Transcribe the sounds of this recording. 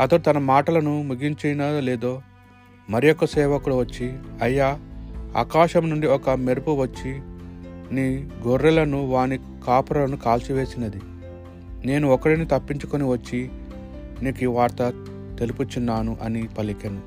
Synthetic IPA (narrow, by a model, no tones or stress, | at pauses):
ɐt̪ɐɽut̪ɐnɐmaːʈɐlɐnumuɡiɲt͡ʃejnɐleːd̪o̞ː | mɐɾijɔkːɐsɛːʋɐkuluʋɐt͡ʃːiɐjːaːa̰ːkaːʃɐmnuɳɖiɔkɐmeɾupuʋɐt͡ʃːi | niːɡoɾːɐlɐnuʋaːni | kaːpuɾɐlɐnukaːlt͡ʃiʋeːsinɐd̪i | ne̞ːnuɔkːɐɽinit̪ɐpːiɲt͡ʃukoniʋɐt͡ʃːi | neːkiːʋaːɾt̪ɐ | t̪e̞luput͡ʃunːaːnuʔɐnipɐlikɐni